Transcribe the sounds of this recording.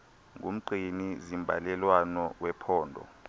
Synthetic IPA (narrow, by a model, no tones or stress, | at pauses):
ŋɡʱum̩ǃʱinizimbʱalɛlwanɔwɛpʰɔːndʱɔ̰